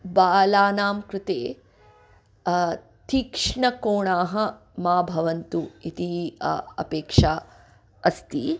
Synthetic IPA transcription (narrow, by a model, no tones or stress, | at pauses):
baːlaːnaːmkɾɪt̪eː | t̪ikʂɳɐkoːɳaːɦɐ̆ | maːbʱɐʋɐnt̪uit̪iɐ̰peːkʂaː | ɐst̪i